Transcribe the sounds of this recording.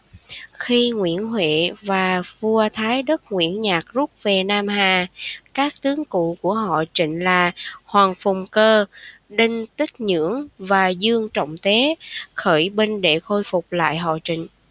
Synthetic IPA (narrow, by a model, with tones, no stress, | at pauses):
xi˧ŋwḭ˧˩˨ənɦwḛ˧˨vaː˨˩vu˧ət̪ʰaː˨˦jɗə˦˥t̚ŋwḭ˧˩ənɲaː˨˩k̚zu˦˥p̚ve˨˩naː˧mɦaː˨˩kaː˦˥k̚t̪ɨ˨˦əŋkṵ˧˨ku˧˩əɦɔ̰˧˨t͡ɕḭ̈˧˨ŋ̟laː˨˩hwaː˨˩ŋfʊ˨˩ŋ͡mkəː˧ɗi˧ŋ̟t̪ï˦˥k̚ɲɨ̰˧˥əŋvaː˨˩zɨ˧əŋt͡ɕə̰˧˨wŋ͡mt̪e˨˦xəː˧˩jɓe˧nɗe˧˩xo˧jfʊ˨˩k͡p̚la̰ː˧˨jɦɔ̰˧˨t͡ɕḭ̈˧˨ŋ̟